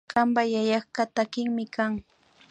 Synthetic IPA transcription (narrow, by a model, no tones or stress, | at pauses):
kambajajɑχkat̪akɪŋmɪkaŋ